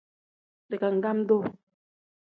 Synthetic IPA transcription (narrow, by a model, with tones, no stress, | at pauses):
de˨ka˨ŋ̩˨ɡa˦m̩˦do˦˨